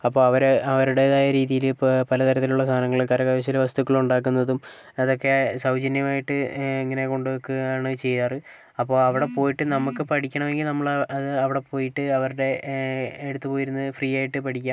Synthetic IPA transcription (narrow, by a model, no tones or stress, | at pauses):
ɐpːo̞ːɐʋɐɾɐʋɐɾuɽe̞ðaːjɐɾiːðijilpɐlɐt̪ɐɾɐt̪ːiluɭːɐst̪ʰaːnɐŋːɐɭilkɐɾɐkɐʋjɐɕ̬ilʋɐst̪ukːɐɭuɳɖaːkːunːɐðum | ɐðo̞kːe̞sɐwd͡ʑɐnjɐmaːjiʈːɨeŋːɐne̞ko̞ɳɖɨʋɐkːuɣɐaːɳɨt͡ɕe̞jːaːrɨ | ɐpːo̞ːɭɐʋiɽe̞po̞ːjiʈːɨnɐmukːɨpɐʈʰikʲːɐɳɐʋeŋɡilnɐmːɐɭɐðɨɐʋiɽe̞po̞ːjiʈːɨɐʋɐɾuɽe̞ | eɽut̪ːɨpoːjiɾunːɐfriːaːjiʈːɨpɐʈʰikʲːaːm